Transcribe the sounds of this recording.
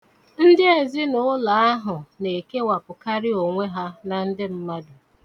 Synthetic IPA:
n̩˦dɪ˦e˨zɪ˦nʊ˦ʊ˦la˨˦a˦ɦʊ˨ne˨ke˦wa˨pʊ˨ka˦ɾɪ˦o˨ŋʷe˦ɦa˦na˨n̩˦dɪ˦m̩˦ma˦dʊ˨

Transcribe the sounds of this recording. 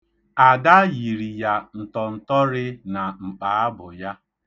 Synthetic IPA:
a˨da˦ji˨ɾi˨ja˦n̩˨tɔ˨n̩˨tɔ˦ɾɪ˦na˨ŋ͡m̩˨k͡pa˨˦a˦bʊ˨ja˦

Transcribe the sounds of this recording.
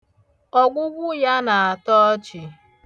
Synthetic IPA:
ɔ˦ɡʷʊ˦ɡʷʊ˦ja˦na˨a˨tɔ˦ɔ˦t͡ʃɪ˨

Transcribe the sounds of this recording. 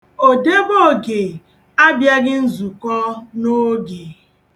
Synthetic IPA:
o˨de˦bo˦˨ɡe˨ | a˦bja˦ɡɪ˦n̩˦zu˨kɔ˦no˦ɡe˨

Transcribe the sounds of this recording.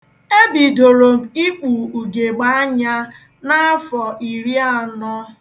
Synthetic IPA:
e˦bi˨do˨ɾo˨m̩˨i˦k͡pu˨u˨ɡe˨ɡ͡ba˦ɲa˦ | na˦a˦fɔ˨ʔi˨ɾi˦a˦˨nɔ˦

